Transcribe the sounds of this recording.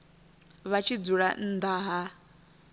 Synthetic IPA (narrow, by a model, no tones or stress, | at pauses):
βat͡ʃʰid͡zuɺa̰n̩d̪aɦa